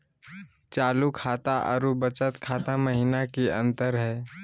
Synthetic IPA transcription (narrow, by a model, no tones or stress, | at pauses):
t͡ʃaːlukʰaːt̪aʔə̰ɾubət͡ʃət̪kʰaːt̪aməɦiːnakiə̰̃nt̪əɾɦɛː